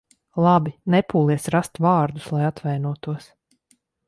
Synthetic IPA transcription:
lˠɑbinɛpuːlˠiɛsɾast̪vɑːɾd̪uslˠajat̪vɛjnuɔt̪uɔs

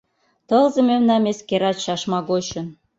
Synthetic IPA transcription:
t̪ɤ̆lzɤ̆mʲemnɑmʲeskeɾɑɕɑʃmɑɡot͡ɕɤ̆n

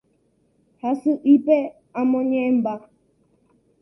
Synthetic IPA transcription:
hasɨʔipɛ | amɔɲɛ̃m̩ba

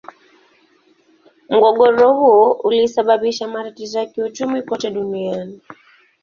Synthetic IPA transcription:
m̩ɡɔɠɔɾɔhuɔʔulisaɓaɓiʃamaɾatizɔjakiut͡ʃumikɔtɛɗuniani

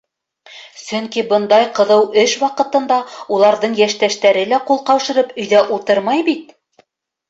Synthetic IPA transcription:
sɵŋkibɤ̆nd̪ɑjqɤ̆ðɤwɵʃwɑqɤ̆t̪ɤ̆nd̪ɑulˠɑɾðɤɴjæʃt̪æʃt̪æɾɘlæqulˠqɑwʃɤ̆ɾɤpɵ̆jðæʔut̪ɤɾmɑjbit̪

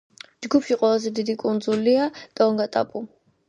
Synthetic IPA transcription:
d͡ʒɡupʰʃiqʼwɛlˠazɛd̪id̪ikʼund̪zuliad̪̥aɔŋɡat̪ʼa̰pʼu

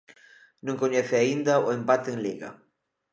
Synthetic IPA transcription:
nõŋkoɲeθɪaind̪ɐʊempat̪eeŋliɣɐ̰

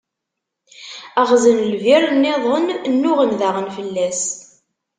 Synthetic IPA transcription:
æʁzənlviɾˤənːeðˤənnːʊʁənðaʁənfəlːæs

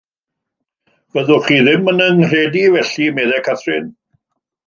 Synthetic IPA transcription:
v̥əðʊχiːðɪmənənr̥ɛːdivɛɬimɛðɛkʰaθrɪn

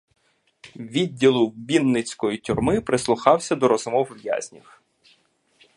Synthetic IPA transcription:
ʋʲidʲːilˠʊbʲinːɪt͡sʲkɔjitʲʊrmɪpɾɪslˠʊxɑwsʲɐd̪ɔɾɔzʊmɔwʋʲja̰zʲnʲiw

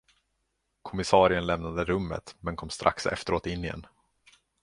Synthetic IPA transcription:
kʰɔmɪsɑːɾɪənlɛmnad̪əɾɵmːə̰t̪mɛnkʰɔmst̪ɾʔa̰ksɛ̰ft̪əɾoːt̪ɪnːɪɛ̰n

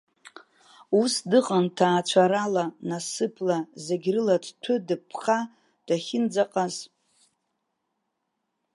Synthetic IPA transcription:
usdɨqʼantʰaːt͡ʃʷʰaɾalanasɨpʰlazeɡʲrɨladtʷʰɨdɨpʰχa | d̥aχʲɪnd͡zaqʼaz

